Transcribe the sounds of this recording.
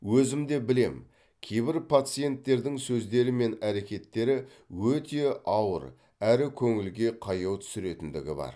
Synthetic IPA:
wɵzɪmd̪e̞bɪle̞̰m | kʲʰejbɪɾpʰat̪sɨje̞nt̪ːe̞ɾd̪ɪŋsɵzd̪e̞ɾɪme̞næɾe̞kʲe̞t̪ːe̞ɾɪ | wɵt̪e̞ɑwə̰ɾ | æɾɪkʲʰɵŋɪlɡʲe̞qʰɑjɑwt̪ʰʏ̥sɪɾe̞t̪ɪnd̪ɪ̰ɡʲɪbɑ̰ɾ

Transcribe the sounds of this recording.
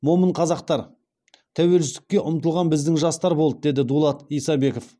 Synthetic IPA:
mo̞məɴqʰɑzɑqt̪ɑɾ | t̪ʰæwe̞lsɪst̪ɪkʲːe̞ʔʊmt̪əlˠʁɑnbɪzd̪ɪŋʒɑst̪ɑɾbo̞lˠd̪əd̪e̞d̪ɪd̪ulˠɑt̪ijsɑbe̞ko̞f

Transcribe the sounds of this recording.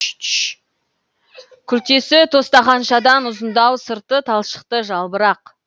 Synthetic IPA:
kʲʰʏɾt̪e̞sɪt̪ʰo̞st̪ɑʁɑnʃɑd̪ɑnʊzənd̪ɑwsəɾt̪ət̪ʰɑlˠʃə̥q̚t̪əʒɑlˠbəɾɑq

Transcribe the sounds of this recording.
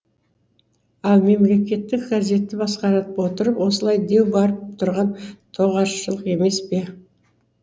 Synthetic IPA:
ɑlˠme̞mle̞kʲe̞t̪ːɪkɡɑze̞t̪ːɪbɑsqɑɾɑt̪əpwo̞t̪əɾəpwo̞səlˠɑjd̪e̞wbɑɾəp̚t̪ʰʊɾʁɑnt̪ʰo̞ʁɑʃʃəlˠəqe̞me̞spe̞

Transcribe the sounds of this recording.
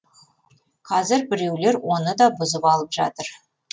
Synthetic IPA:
qʰɑzɪɾbɪɾe̞wle̞ɾwo̞nəd̪ɑbʊzəpɑlˠəpʒɑ̰t̪əɾ

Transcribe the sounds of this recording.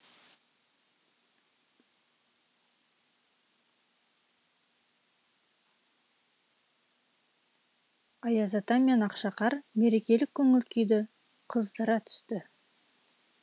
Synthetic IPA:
ɑjɑzɑt̪ɑmenɑqʃɑqɑɾme̞ɾe̞kʲe̞lɪkʲʰːɵŋɪlkʲʰejd̪ɪ | qʰəzd̪əɾɑt̪ʰʏ̥st̪ɪ

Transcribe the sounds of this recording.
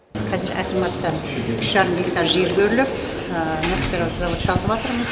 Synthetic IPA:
qʰɑzeɾʔæ̰t̪ʲemɑt̪ːə | ʏʃʒɑɾəmvʲekt̪ɑɾʒeɾbʲeɾlɪp | nospʲeɾawt̪ʰəzɑwot̪ʃɑlˠt̪əpɑt̪əɾməz̥

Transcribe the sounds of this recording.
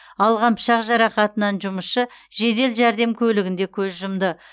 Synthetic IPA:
ɑlˠʁɑnpʰə̥ʃɑqʒɑɾɑqɑt̪ənɑnʒʊməsʃəʒe̞d̪e̞lʒæɾd̪e̞mkʲʰɵlɪɡʲɪnd̪e̞kʲʰɵzʒʊmd̪ə

